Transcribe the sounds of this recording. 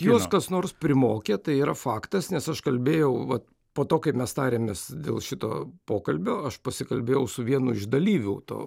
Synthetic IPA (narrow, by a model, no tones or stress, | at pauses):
juɔsskɐsnoːrspʲɾʲɪmoːkʲet̪ɐɪiːɾɐfɑːkt̪ɐsnʲɛsɐʃkɐlʲbʲeːjɛʊʋɐt̪ | poːt̪oːkɐɪmʲɛst̪ɑːɾʲeːmʲeːsd̪ʲḛːlˠʃʲɪt̪o̰ːpoːkɐlʲbʲoːɐʃpɐsʲɪkɐlʲbʲeːjɛʊsʊʋʲiɛnʊɪʒd̪ɐlʲiːʋʲʊːt̪o̰ː